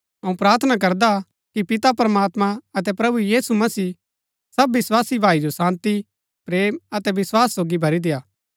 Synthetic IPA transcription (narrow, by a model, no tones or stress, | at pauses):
ɐũpɾaːɾt̪ʰnak̬ɐɾd̪a | kipɪt̪apɐɾəmaːt̪mãɐt̪ɛpɾɐbujiːsumɐsiː | sɐbːɪswaːsibʱaːid͡ʒosãːnt̪i | pɾeːmɐt̪ɛʋɪswaːsːoːɡibʱɐɾid̪ɪjaː